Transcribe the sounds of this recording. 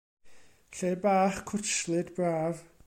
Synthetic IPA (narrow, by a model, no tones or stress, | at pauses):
ɬeːbaːχkʰʊt͡ʃlˠɨdbraːv